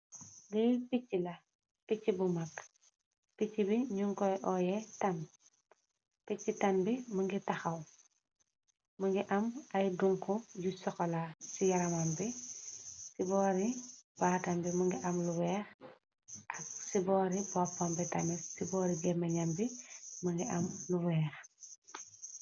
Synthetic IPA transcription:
ɡipicːilɐ | picːibumɐk | picːibiɲuŋkɔjʔɔːjɛtɐn | picːitɐnbimɐŋɡitɐxɐw | mɐŋɡiʔɐmɐjduŋkujusɔkɔlasijɐɾɐmɐmbi | sibɔːɾib̥aːtɐmbimɐŋɡiʔɐmluwɛːx | ʔɐk̚sibɔːɾibɔpːɔmbitɐnɛsibɔːɾiɡɛmɐɲɐmbimɐŋɡiʔɐmluwɛːx

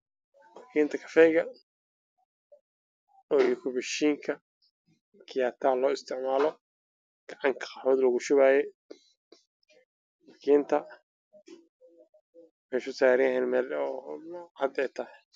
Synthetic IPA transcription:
wɑkʰiːnt̪ʰɐkʰɐ̥fɛjɣɐ | ɔːjkʰʊbɪʃiːŋkʰɐ | kʰɪjaːt̪ʰɐlɔːɪst̪ʰɪʕmaːlɔ | ɡ̥ɑʕɑŋkʰɐ̥qɑħɔːd̪lɐɣʊʃʊβaːjɛ | wɑkʰiːnt̪ʰɐ | mɛjsʊsaːɾɪɐɦɛnmɛlɔ | ɐd̪ɛjt̪ʰɐh

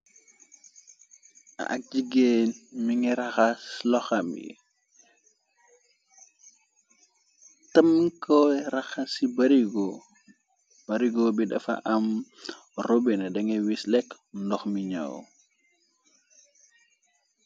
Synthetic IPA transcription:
ɐ̰ʔɐ̰k̚d͡ʒiɡeːnmiŋiɾɐxaslɔxamjḭ | tɐmːikɔjɾɐxɐsibɐɾiɡɔ | b̥ɐɾiɡɔbidɐ̰fɐ̰ʔɐm | robinɐdɐŋɛwislɛk | ndɔxmiɲa̰w

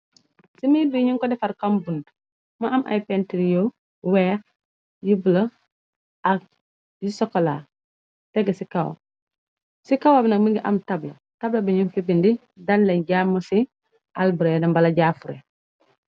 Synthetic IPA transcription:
simidiɲuŋkɔdɛfɐɾkɐmbund | mɐʔɐmʔa̰jpɛntiɾijo | wɛːx | jibulɐ | ʔɐk̚ | jisɔkːɔla̰ː | tɛɡɐsikɐw̰ | sikawabnɐkmiŋɡiʔɐmtɐblɐ̰ | tɐblɐbiɲunfibindi | dɐnlɛɲɟamːɐsi | ʔalbuɾɛdɐmbɐlɐɟaːfuɾɛ̰

